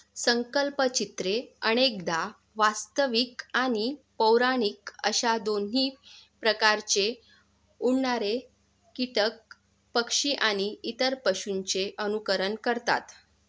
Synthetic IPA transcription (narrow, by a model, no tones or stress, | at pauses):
səŋkəlpət͡ɕit̪ɾeənek̚d̪a | ʋast̪əʋikañipəwɾaɽiːkə̰ɕad̪on̤iːpɾəkaɾt͡ɕe | uɳːaɾe | kiʈək̚ | pəkʂiʔaɽ̃iit̪əɾpəɕunt͡seʔənukəɾənkəɾt̪a̰t̪